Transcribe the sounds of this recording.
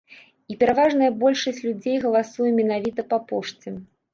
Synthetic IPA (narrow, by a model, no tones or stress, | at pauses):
ipʲɛɾavaʐnɐjɐbɔlʲʂɐsʲt͡sʲlʲud͡zʲejɣɐlˠasujɛmʲɛnavʲit̪ɐpapɔʂt͡sʲɛ